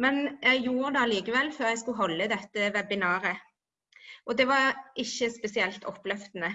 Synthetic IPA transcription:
mɛnjæɪjuːɾəd̪ɛɑliːkəʋɛlːføːʁjæɪs̬kʉɦɔlːəd̪ɛt̪ːəʋɛbɪnɑːɾə | ʔɔd̪ɛʋɑʁʔɪçːəspɛsɪɛlt̪ʰɔpːlœft̪ənə

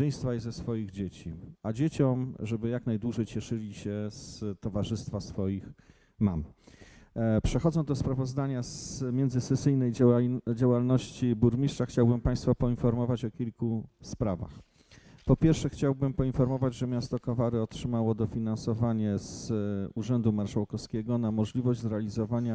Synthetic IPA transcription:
ɛj̃st̪faizɛsfɔjiɣd͡ʑet͡ɕiad͡ʑet͡ɕɔmʐɛbɘjaknajd̪wuʐɛjt͡ɕɛʂɘlʲiɕɛst̪ɔvaʐɘst̪fasfɔjix | mam | pʂɛxɔd̪zɔ̃wd̪ɔspɾavɔzd̪aɲasmʲjɛnd̪zɘsɛsɘjnɛjd͡ʑawalnɔɕt͡ɕibuɾmʲiʂtʂaxt͡ɕawbɘmpãj̃st̪fɔpɔinfɔɾmɔvat͡ɕɔkʲilkuspɾava̰x | pɔpʲjɛɾfʂɛxt͡ɕawbɘmpɔinfɔɾmɔvad͡ʑʐɛmʲjast̪ɔkɔvaɾɘɔtʂɘmawɔd̪ɔfʲinansɔvaɲɛzuʐɛnd̪umaɾʂawkɔfskʲɛɡɔnamɔʐlʲivɔʑd͡ʑzɾɛalʲizɔvaɲa

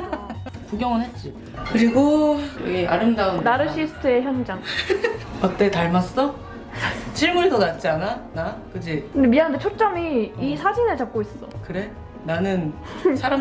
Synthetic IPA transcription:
puɡjʌŋɯnɦe̞t̚t͡ɕ͈i | kɯɾiɡoɡea̰ɾɯmdaɯnnaɾɯɕʰisʰɯ̥tʰɯe̞çjʌnd͡ʑaŋ | ʌt͈e̞taɭmas͈ʌ | t͡ɕʰiɭmuɾidonat̚t͡ɕ͈iananakɯd͡ʑikɯndemianndʰet͡ɕʰot͡ɕ͈ʌmiisʰad͡ʑinɯɭt͡ɕap̚k͈ois͈ʌs͈ʌ̰kɯɾe̞ | nanɯn | sʰaɾam

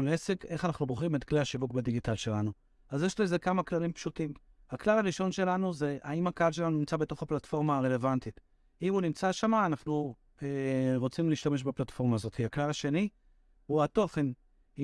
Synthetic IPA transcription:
leseke̞χanaχnuboχimet̪kleaʃivukbediɡitalʃe̞lanu | azjeʃloezekamaklalimpʃutim | haklalaʁiʃo̞nʃe̞lanuze̞ʔaimhakaalʃelanunimt͡sabe̞to̞χaplatfo̞ʁmaːʁe̞le̞vantit | imunimt͡saʃamaːnaχnu | eʁot͡simliːʃtameʃ̬beplatfo̞ʁmaːzo̞t̪hiaklalaʃe̞ni | huato̞χe̞n

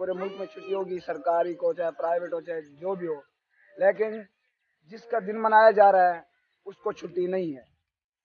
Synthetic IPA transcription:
uːɾemʊlkmẽt͡ʃʰʊʈːiɦoːɡisəɾkaːɾikoːt͡ʃɛpɾaːɪʋeʈɦoːt͡ʃɛd͡ʒoːbʱiɦoː | leːkɪn | d͡ʒɪskad̪ɪnmənaːjad͡ʒaːɾaɦɛ | ʊskot͡ʃʰʊʈːinɐɦĩɦɛː

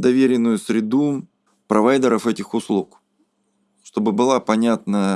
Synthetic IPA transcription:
d̪ɐvʲeɾʲɪnːʊjʊsɾʲɪd̪u | pɾɐvajd̪əɾəfɛtʲɪxʊslˠuk | ʂt̪o̞bɨbɨlˠapɐnʲat̪nə

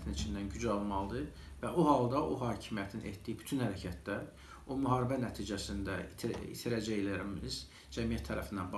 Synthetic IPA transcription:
t̪ʰinit͡ʃʰind̪ænɟyd͡ʒɑlˠmɑlˠd̪ɯ | væuɦɑlˠd̪ɑoɦɑːcʰimijæt̪ʰinʔḛt̪d̪ijiby̥t̪ʰynhæɾæcʰæt̪̚d̪æɾ | omyɦɑːɾibænæt̪ʰiːd͡ʒæsind̪æḭt̪ʰiɾæd͡ʒæelæɾimiz̥ | d͡ʒæmijæt̪ʰːæɾæfind̪ænb

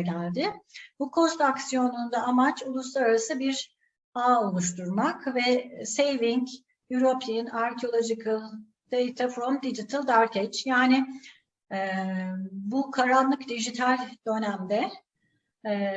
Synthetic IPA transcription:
ɟælʲd̪ɪbukʰo̞st̪aksijo̞nund̪aːmat͡ʃulˠuslˠaɾaɾasɯbiɾ | aːo̞lˠuʃ̬t̪uɾmakvɛsejviɲc | jyɾo̞pʰinaɾcʰio̞lˠo̞d͡ʒikʰɯlˠ | d̪̥ejt̪ʰafɾomd̪id͡ʒit̪ʰalˠd̪aɾcet͡ʃjaːnɪ | ɛ | bukʰaɾanlˠɯkd̪iʒit̪ʰalʲd̪̥ø̞næmd̪ɛ

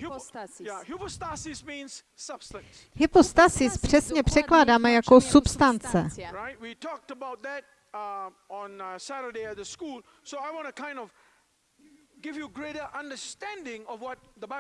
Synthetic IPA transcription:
hjahupostasɪsmĩnz | sʌb̥stə̃s | hɪpost̪asɪspr̝̥ɛsɲɛpr̝̥ɛklaːdaːmɛjakosupst̪ant͡sɛɹaɪt̚witʰɔk̚təbaʊt̪̚d̪æt̚ | ɔ̃nsæɾədeɪæt̚ðəskuːlsoaɪwɔ̃ñtukʰãɪ̃ndɔv | ɡɪvjuɡɾeɾə˞ʔãndəstæ̃ndɪ̃ŋɔvwɔt̚d̪əba

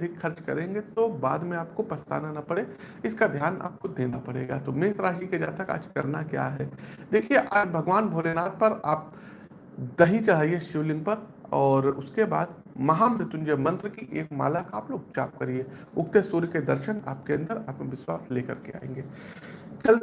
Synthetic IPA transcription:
ɐd̪ʱɪkxɐɾt͡ʃkɐ̰ɾẽːŋɡet̪oba̰ːd̪mẽaːpkopɐst̪a̰ːnanɐpɐɽeɪskad̪ʱjaːna̰ːp̚kod̪eːnapɐɽḛːɡa̰ːt̪omeːt̪ɾaːɦiked͡ʒa̰ːt̪ɐka̰ːd͡ʒkɐ̰ɾnakja̰ːɦɛːd̪eːkʰieʔaːd͡ʒbʱɐɡʋaːnbʱoːɽenaːt̪̚pɐɾaːp̚ | d̪ɐɦit͡ʃaɦaieʃɪʋlɪ̃ŋɡ̚pɐɾɔːɾʊskeba̰ːd̪ | mɐɦamɾɪt̪ʊ̃nd͡ʒəmɐ̃nt̪ɾkiʔeːkma̰ːlakaaːploːɡ̚t͡ʃa̰ːp̚kɐɾieʊkt̪esuːɾked̪ɐɾʃəna̰ːp̚keɐ̃nd̪əɾa̰ːt̪məʋɪswaːsleːkɐ̰ɾkea̰ːḛ̃ːŋɡeː | t͡ʃɐl

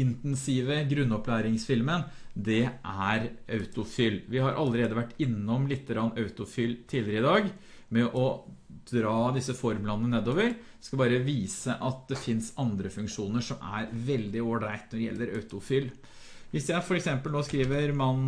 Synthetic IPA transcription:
ɪnt̪ɛnsiːʋəɡɾʉnːɔplæːɾɪŋsfɪlmənd̪ɛʔæɾɑʉt̪ʊfʏlʋɪhɑɾʔɑ̰lːəɾeːd̪əʋæʈːɪnːɔmlɪt̪ːəɾɑnːɑʉt̪ʊfylt̪ʰiːlɪɾəɪd̪ɑːɡ | mɛʔɔd̪̥ɾɑːd̪ɪsːəfɔɾmlɑnːəneːd̪oːʋəɾ | skɑlbɑːɾəʋiːsəʔɑt̪̚d̪ɛfɪnsɑnd̪ɾəfʉŋkʂuːnəʂɔmæ̰ɾʋɛld̪ɪoːɖæɪt̪nɔɖɛjɛ̰lːəɾɑ̰ʉt̪ʊfʏːl | ʋɪsjæɪfɔɾɛksɛmpəlnoːskɾiːʋəɾmɑn

